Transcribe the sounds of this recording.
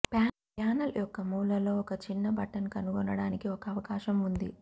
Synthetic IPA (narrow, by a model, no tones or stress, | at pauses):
pjaː | aːnɐljɔkːɐmuːlɐlo̞ːɔkɐt͡ʃinːɐbɐʈɐnkɐnuɡɔnɐɽaːnikiɔkɐːʋɐkaːʃɐmund̪i